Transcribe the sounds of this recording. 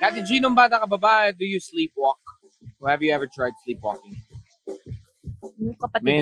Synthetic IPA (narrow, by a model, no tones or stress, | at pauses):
ɡ̥at̪ɪd͡ʒinʊmbaːt̪ɐkɐbɐbaʔd̪ʊjusliːpwɔk̚ | wɔhɛvjuɛvə˞t̪ɹajd̪̚slipwɔ̰kɪ̃ŋ | kɐpɐtɛ